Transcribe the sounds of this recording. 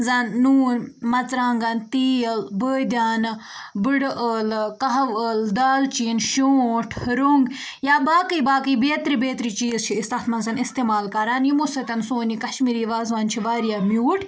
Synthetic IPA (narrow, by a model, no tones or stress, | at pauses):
zɐnːuːnmɐt͡sɾaːŋɡɐnt̪iːɐlbəːd̪ʲaːn | bɨɽʔəlkɐɦɐʋəld̪aːlt͡ʃinʃoːʈʰɾuŋɡ | jaːbaːkəibaːkɨibeːt̪ɾibeːt̪ɾit͡ʃiːzt͡ʃʰiːst̪aːt̪ʰmɐnzɐnist̪eːmaːlkɐɾaːnjimosɐt̪ʲɐnsoːnikɐʃmiːɾiːʋaːzʋaːnt͡ʃʰiʋaːɾijaːmjuːʈʰ